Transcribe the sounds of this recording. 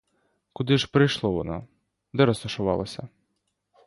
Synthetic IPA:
kʊd̪ɪʒpɾɪjʃlˠɔʋɔnɔ̰ | d̪ɛɾɔst̪ɔʃʊʋɑ̰lˠɐsʲɐ

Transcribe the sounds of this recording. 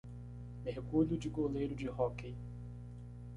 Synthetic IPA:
mehkuljʊd͡ʒɪɡolejɾʊd͡ʒɪhɔkej

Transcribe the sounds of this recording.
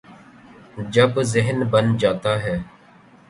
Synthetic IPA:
d͡ʒəbzɪɦnbənd͡ʒaːt̪aːɦɛː

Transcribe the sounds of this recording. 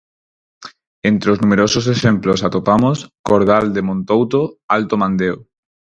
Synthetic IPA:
ent̪ɾoznumeɾosos̬eʃemplosat̪opamoskoɾð̞ald̪emõnt̪owt̪oalt̪omãnd̪eo

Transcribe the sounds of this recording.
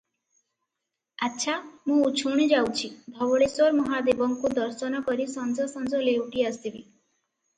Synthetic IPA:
atːʃʰamũut͡ʃʰuɽ̃id͡ʒawt͡ʃʰid̪ʱɔbɔɽesɔɾmɔɦad̪ebɔŋkud̪ɔɾsɔnɔkɔɾisɔnzɔsɔnzɔlewʈiast̪ibi

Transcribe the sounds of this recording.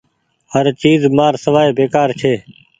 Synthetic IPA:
həɾt͡ʃiːzmaːɾsəʋaːeːbeːkaːɾt͡ʃʰeː

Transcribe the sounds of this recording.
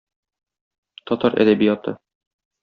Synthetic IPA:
t̪ɒt̪ɑɾʔæ̰d̪æbijɑt̪ɤ̰

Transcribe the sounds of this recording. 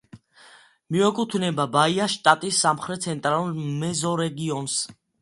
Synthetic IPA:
miɔkʼut̪ʰnɛbabaiaʃt̪ʼat̪ʼisːamχɾɛt̪̚sʰɛnt̪ʼɾalˠulmɛzɔɾɛɡiɔns

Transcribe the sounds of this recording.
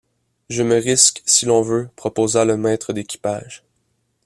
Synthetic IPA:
ʒəməʁɪskʲsilɔ̃vøpχɔpoːzaləmɛːt̪χəd̪ekʲi̥pa̰ːʒ

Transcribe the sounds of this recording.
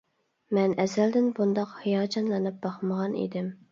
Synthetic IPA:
mɛnɛzæld̪ɪnbund̪ɑqhijɑːd͡ʒɑnlˠɨnɨp̚bɑχməʁɑnḭd̪ɪm

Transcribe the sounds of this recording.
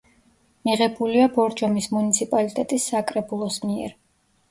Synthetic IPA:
miʁɛbuliabɔɾd͡ʒɔmismunit̪sʰipʼalit̪ʼɛt̪ʼisːakʼɾɛbulˠɔsmiɛ̰ɾ

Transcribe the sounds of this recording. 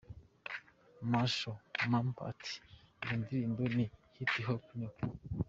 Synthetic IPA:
maʃomampa̰tʰi̥indiɾiːndonihitiɦokuɲo

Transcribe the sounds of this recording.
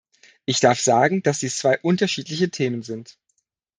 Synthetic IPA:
ʔɪçd̥aɐfz̥aːɡŋ̩d̥asd̥iːst͡sv̥aɪʔʊntɐʃiːtlɪçətʰeːmənzɪnt

